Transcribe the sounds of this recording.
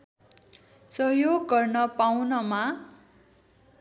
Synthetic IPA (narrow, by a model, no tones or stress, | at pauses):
sʌɦjoɡːʌrnʌpawnʌma